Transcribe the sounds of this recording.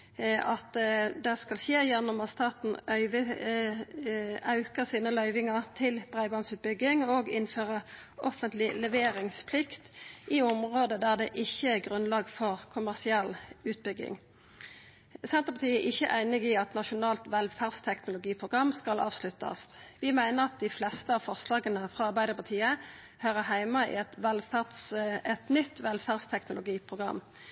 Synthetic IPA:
ɑt̪d̪ɛskɑlçeːjɛnːɔmɑnst̪ɑːt̪n̩ʔœʏʋə | ɑʉkəʁsiːnəlœʏʋɪŋəʁt̪ʰɪlbʁæɪbɑnsʉːt̪̚bʏɡːɪŋɔɡɪnføːʁə | ʔɔfənt̪lɪlɛʋeːɾɪŋspʰlɪkt̪ʔiʊmʁoːd̪əd̪æʁd̪ɛʔɪçːəæʁɡʁʉnlɑːɡfɔʁkʰʊmæʁsɪɛlːʉːt̪̚bʏɡɪ̰ŋ | sɛnt̪əpɑt̪ʰiːəʔɪçːəʔæɪnɪɡɪɑt̪nɑʃʊnɑːlt̪ʋɛlfæʁd̪st̪ʰɛknʊlʊɡiːpʰʁʊɡʁɑmːskɑlɑ̰ːʋslʉt̪ːɑ̰sʋɪmæɪnəʁɑt̪̚d̪ɪflɛst̪əɑːʋfɔʁslɑːɡənəfʁɑɑʁbæɪd̪əʁpɑt̪ʰiːə | høːʁəɦæɪmɑɪ̰ɛt̪ʋɛlfæd̪sɛt̪nʏt̪ːʋɛlfæʁd̪st̪ʰɛknʊlʊɡiːpʰʁʊɡʁɑ̰mː

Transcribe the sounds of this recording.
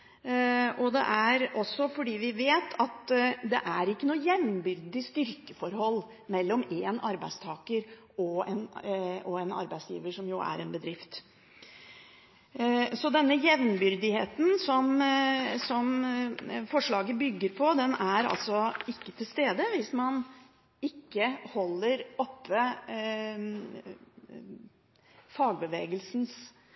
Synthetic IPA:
ʔɔd̪ɛ̰ʔæɾɔsːɔfɔɖiːʋɪʋeːt̪ʰɑt̪d̪ɛ̰ʔæɾɪkːənuːəjɛʋ̪nbʏɾd̪ɪst̪ʏɾkəfɔɾhɔlː | mɛlːɔmeːnɑɾbæɪst̪ʰɑːkəɾ | ɔɛnɔɛnɑ̰ɾbæɪsjḭːʋəʂɔmjʊæ̰ɾɛnbəd̪ɾɪft̪ | sɔd̪ɛnːəjɛʋnbʏɾd̪ɪheːt̪n̩sɔm | sɔm | fɔʂɭɑːɡəbʏɡːəɾpʰɔd̪ɛnæɾɑ̰lt̪sɔɪkːət̪ʰɪlst̪eːd̪əʋɪsmɑn | ɪkːəhɔlːəɾɔpːə | fɑːɡ̚bəʋeːɡəlsn̩s

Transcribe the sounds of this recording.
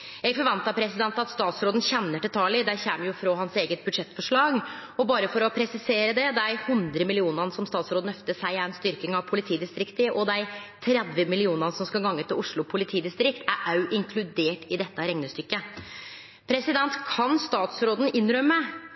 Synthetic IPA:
ɛɡfɔɾʋɑnt̪ɑpʰɾɛsɪd̪ɛnt̪ɑt̪st̪ɑːt̪sɾoːd̪n̩çɛnːəʈɪlt̪ʰɑːlɪd̪æçɛːmjʊfɾoːɦɑnseːɡət̪̚bʉd̪ʂɛt̪ːfɔʂɭɑːɡɔbɑːɾəfɔɾɔpʰɾɛsɪseːɾəd̪ɛd̪æɪhʉnd̪ɾəmɪlɪuːnənəsɔmst̪ɑːt̪sɾoːd̪n̩œft̪əsʂæɪɛɛnst̪ʏɾkɪŋɑʋpʰʊlɪt̪ʰiːd̪ɪst̪ɾɪkt̪əʔɔd̪æɪt̪ʰɾɛd̪ʋəmɪlɪuːnɑnəsɔmskɑlɡɑŋːət̪ɪlʔʊʂɭʊpʰʊlɪt̪ʰiːd̪ɪst̪ɾɪkt̪ʰæɾʔɑʉʔɪŋkʰlʉd̪eːʈɪd̪ɛt̪ːəɾɛŋnəst̪ʏkːə | pʰɾɛsɪd̪ɛnt̪kʰɑnst̪ɑːt̪sɾoːd̪n̩ɪnːɾœmːə

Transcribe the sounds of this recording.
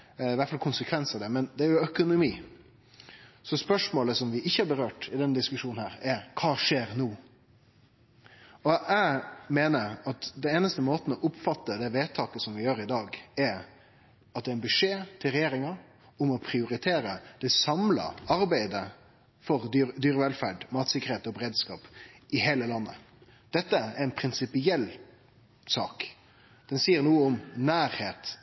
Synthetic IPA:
ɪʋæʈ̪fɑlkʰʊnsəkʰʋɛnsɑʋd̪ɛmɛnd̪ɛæɾjʊœkʊnʊmiː | sɔspœʂmoːləsɔmʋɪʔɪçːəɑbəɾøːʈɪd̪ɛnd̪ɪskʉʂuːn̩hæːɾɛɾkʰɑːʂeːɾnuː | ɔʔæɪmeːnəɾɑt̪d̪ɛeːnəst̪əmoːt̪n̩ɔʔʊpːfɑt̪ːəd̪ɛʋeːt̪ʰɑːkəsɔmʋɪjøːɾɪd̪ɑːɡɛɾ | ɑt̪d̪ɛːɾɛnbʉʂeːt̪ʰɪlɾɛjeːɾɪŋɑ | ʊmɔpʰɾɪʊɾɪt̪ʰeːɾəd̪̥ɛsɑmlɑ̰ɑɾbæɪd̪ə | fɔɾd̪yːɾəʋɛlfæːɖmɑːt̪sɪkːəɾheːt̪ɔbɾeːd̪skɑ̰ːpɪheːləlɑnːə̰ | d̪̥ɛt̪ːəɛɾɛnpʰɾɪnsɪpɪɛlː | sɑːk | d̪̥ɛnsiːəɾnuːəʊmnæːɾheːt̪

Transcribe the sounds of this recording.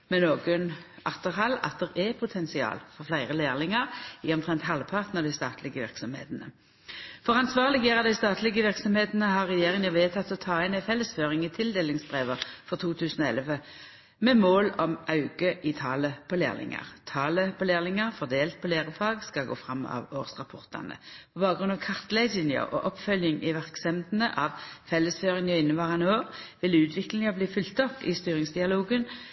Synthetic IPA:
mɛnoːɡənɑ̰ʁt̪əʁɦɑlɑ̰t̪̚d̪ɛʁɛpʰʊt̪ʰɛnsɪɑ̰ːlfɔʁflæɪʁəleːʁlɪŋəʁɪɔmt̪ʰʁɛnt̪hɑlpʰɑʁt̪nəʁd̪æɪst̪ɑ̰ːt̪ʰlɪɡəʋɪʁksɔmhḛːt̪nə | fɔʁɑnsʋɑːʁlɪɡjɛʁɑd̪æɪst̪ɑːt̪ʰlɪɡəʋɪʁksɔmheːt̪nəhɑʁːɛjeːʁɪŋnɑʋeːt̪ʰɑt̪ːɔt̪ʰɑːɛɪnæfɛlːəsføːʁɪŋɪt̪ʰɪld̪eːlɪŋsbʁeːʋəfɔʁt̪ʰuːt̪ʰʉːsn̩ɔɛ̰lʋə | mɛmoːlɔmʔɑʉɡəʔɪt̪ʰɑːləpʰɔlḛːlɪ̰ŋɑ̰ʁt̪ʰɑːləpʰɔleːʁlɪŋəʁfɔʁd̪eːlt̪̚pʰɔleːʁəfɑːɡskɑɡo̰ːfʁɑmːɑ̰ʋoːʁsʁɑpʰɔʁt̪ɑ̰nə̰pʰɔbɑːɡʁʉnɑʋkʰɑʁt̪læɪsɪnjə̰ʔɔ̰ʔɔpfœljɪŋɪʋæʁksɛmd̪nəʔɑʋfɛlːəsføːʁɪŋɔɪnːəʋɑːʁɑnoːʁʋɪlʉːt̪ʰʋɪklɪŋɑbliːfʏlt̪ɔpːɪst̪yːɾɪŋsd̪ɪɑloːɡən

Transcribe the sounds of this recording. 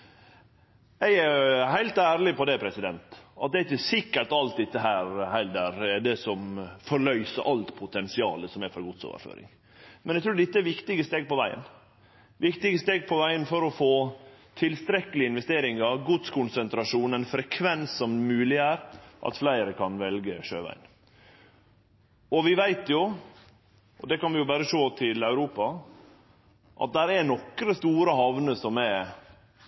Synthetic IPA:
ɛæhæɪlt̪æːɾlɪpɔd̪ɛpʰɾɛsɪd̪ɛnt̪ɑ̰t̪̚d̪ɛɪçːəsɪkːəɾʈ̪ɑlt̪̚d̪ɪt̪ːəɦæːɾhæɪld̪æɾɛd̪ɛsɔmfɔɭœʏsə̰ɾʔɑlt̪pʰʊt̪ʰɛnsɪɑ̰ːləsɔmɛfɔɾɡʊd̪so̰ːʋə̰ɾfø̰ːɾɪ̰ŋ | mɛnɛɡt̪ʰɾuːɖ̪ɪt̪ːəæɾʋɪkt̪ɪɡəst̪eːɡ̚pɔʋæɪə̰n | ʋɪkt̪ɪɡəst̪eːɡ̚pʰɔʋæɪənfɔɾɔfoːt̪ʰɪlst̪ɾɛkːəlɪɪnʋɛst̪eːɾɪŋɑɾɡʊd̪skʰʊnsənt̪ɾɑʂuːnɛnfɾɛkʰʋɛnsːɔmmʉːlɪæːɾʔɑ̰t̪flæɪɾəkʰɑnʋɛlɡəʂø̰ːʋæ̰ɪn | ɔʋɪʋæɪt̪jʊ | ʔɔd̪ɛkɑnʋɪjʊbæːɾəʂoːt̪ʰɪlœʉɾuːpɑ | ʔɑ̰t̪̚d̪æɾɛnɔkɾəst̪uːɾəhɑʋnəsɔmɛ

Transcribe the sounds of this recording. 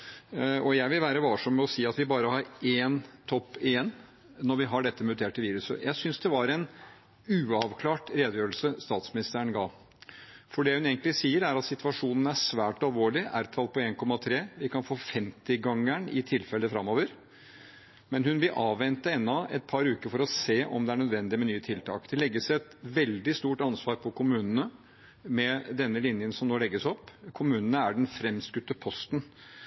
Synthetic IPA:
ʔɔjæɪʋɪlʋæːɾəʋɑːʂɔmːɛɔsiːɑt̪ʋɪbɑːɾəɦɑɾeːnt̪ʰɔpːɪjɛn | nɔɾʋɪɦɑɖɛt̪ːəmʉt̪ʰeːʈːɪʋiːɾʉsə̰jʔæɪsʏnsd̪ɛʋɑɾɛn | ʉːɑʋkʰlɑːʈɾeːd̪əjøːɾəlsəst̪ɑːt̪smɪnɪst̪əɳɡɑː | fɔɖɛhʉneːɡənt̪lɪsiːəɾæɾɑt̪sɪt̪ʰʉʋɑʂuːnən̩æʂʋæːʈɑlʋoːɭɪʔæɾt̪ʰɑl̚pʰɔeːnkʰɔmːɑt̪ʰɾeːʋɪkɑnfoːfɛmt̪ɪɡɑŋːəɳɪt̪ʰɪlfɛlːəfɾɑmːoːʋəɾ | mɛnhʉnʋɪlʔɑːʋʋɛnt̪əɛnːɔɛ̰t̪̚pʰɑɾʉːkəɾfɔɾɔseːʔɔ̰md̪ɛæɳœd̪ʋɛnd̪ɪmɛnyːət̪ʰɪlt̪ʰɑ̰ːkd̪̥ɛlɛɡːəsɛt̪ʋɛld̪ɪst̪uːʈɑnsʋɑːɾpʰɔkʰʊmʉːnənə | mɛd̪ɛnːəlɪnjənsɔmnoːlɛɡːəsɔpːkʰʊmʉːnənəæɖɛnfɾɛmskʉt̪ːəpʰɔst̪ən

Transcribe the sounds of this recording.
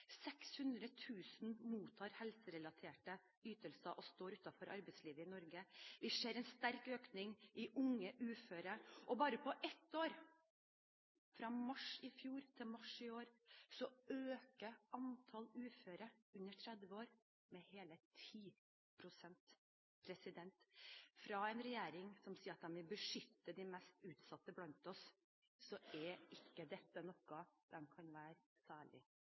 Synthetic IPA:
sɛkshʉnd̪ɾət̪ʰʉːsn̩muːt̪ʰɑːɾhɛlsəɾɛlɑt̪ʰeːʈə | yːt̪əlsəʔɔst̪oːɾʉːt̪ɑfɔɾʔɑ̰ɾbɛɪsliːʋəɪnɔɾɡəʋɪseːɾɛɪnst̪æɾkøːknɪŋʔɪʔʊŋːəʔʉːføːɾəʔɔbɑːɾəpʰɔʔɛt̪ːoːɾ | fɾɑːmɑʂɪfjuːɾt̪ʰɪlmɑʂɪoːɾsɔøːkəʔɑnt̪ʰɑlʉːføːɾəʉnːəʈʰɾɛd̪ʋəoːɾ | mɛheːlət̪ʰiː | pʰɾʊsɛnt̪ | pʰɾɛsɪd̪ɛnt̪fɾɑɛɪnɾɛjeːɾɪŋsɔmsiːəɾɑt̪̚d̪ɛnʋɪlbəʂʏt̪ːəd̪ɪmɛst̪ʉːt̪sɑt̪ːəblɑnt̪ɔs | sɔʔɛɪkːəd̪ɛt̪ːənɔkːɑd̪̥ɛmkʰɑnʋæːɾ | sæːɭɪ̰

